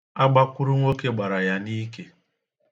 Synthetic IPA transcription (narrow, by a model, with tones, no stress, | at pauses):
a˦ɡ͡ba˦kʷu˦ɾu˦ŋʷo˦ke˦ɡ͡ba˨ɾa˨ja˦ni˦ke˨